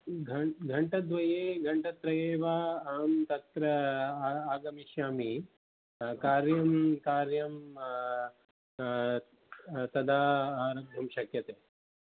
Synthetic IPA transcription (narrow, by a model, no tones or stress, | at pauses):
ɡʱɐɡʱɐɳʈɐd̪ʋɐjeːɡʱɐɳʈɐt̪ɾɐjeːʋaːaːmt̪ɐt̪ɾɐ | aːɡɐmiʃjaːmi | kaːɾjɐmkaːɾjɐm | t̪ɐd̪ʱaːaːɾɐbʱɐmʃɐkjɐt̪eː